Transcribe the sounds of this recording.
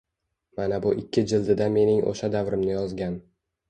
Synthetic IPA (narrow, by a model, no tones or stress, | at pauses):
manabʊʔɪkʲʰːɪd͡ʒɪld̪ɪd̪ame̞nɪŋʔo̰ʃad̪avɾɪmnɪjɒzɡʲan